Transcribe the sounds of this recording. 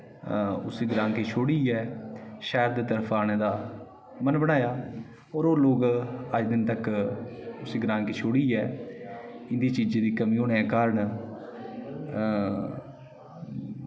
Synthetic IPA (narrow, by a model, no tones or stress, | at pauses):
ʊsiːɡəɾãːŋkeːt͡ʃʰoːɽiːɛːʃɛːɾd̪eːt̪əɾpʰaːñeːd̪aː | mənbəɽ̃aːjaː | ɔːɾoːloːɡəd͡ʒd̪ɪnt̪ək | ʊsiːɡəɾãːŋkeːt͡ʃʰoːɽiːɛː | ɪnd̪iːt͡ʃiːd͡ʒd̪iːkəmĩːoːnɛ̃ːkaːɾəɳ